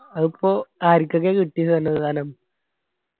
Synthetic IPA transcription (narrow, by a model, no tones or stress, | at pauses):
ɐipːoːaːɾikʲːɐkːekiʈːijɐnːɐðɨðaːnɐm